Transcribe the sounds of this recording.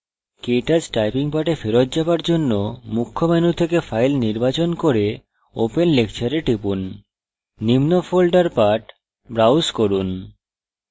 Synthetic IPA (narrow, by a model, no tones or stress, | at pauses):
keʈad͡ʑʈajpiŋpaʈefeɾot̪d͡ʑabaɾd͡ʑonːomukʰːomanut̪ʰekefajlniɾbat͡ɕonkoɾe | o̰penlekt͡ɕʰaɾeʈipunː | imnofolɖaɾpaʈ | bɾawskoɾun